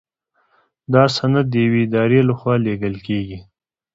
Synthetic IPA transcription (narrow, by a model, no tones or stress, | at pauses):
d̪ɑsanad̪̚d̪əjaweɪd̪ɑɾelaxwɑleɡəlkeɡi